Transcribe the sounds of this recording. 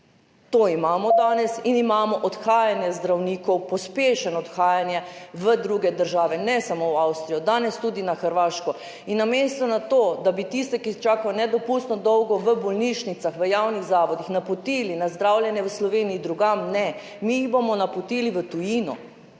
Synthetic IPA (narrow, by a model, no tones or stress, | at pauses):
t̪oimaːmɔd̪aːnɛsinimaːmɔʔɔt̪xaːjanjɛzd̪ɾawniːkɔwpɔspeːʃɛnɔt̪xaːjanjɛʋəd̪ɾuɡɛd̪əɾʒaːʋɛnɛsamowawst̪ɾijɔd̪aːnɛst̪ud̪inaxəɾʋaːʃkɔ | inːamest̪ɔnat̪oːd̪abit̪ist̪ɛkit͡ʃaːkajɔnɛd̪ɔpust̪nɔd̪ɔwɡɔʋəbɔlniʃnit̪saxʋəjaːwniɣzaːʋɔd̪ixnapɔt̪ilinazd̪ɾaːwljɛnjɛʋəslɔʋeːniid̪ɾuɡamnɛ | miːɣbomɔnapɔt̪iːliʋət̪ujiːnɔ